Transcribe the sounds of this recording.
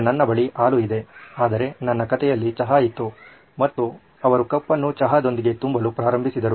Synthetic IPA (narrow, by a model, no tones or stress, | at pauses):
nɐnːɐbɐɭiʔaːluid̪e̞aːd̪ɐɾe̞nɐnːɐkɐt̪ɛjɐlːit͡ʃɐɦait̪ːu | mɐt̪ːu | ɐʋɐɾukɐpːɐnːut͡ʃɐɦad̪o̞nd̪iɡe̞t̪umbɐlupɾaːɾɐmbʱisid̪ɐɾu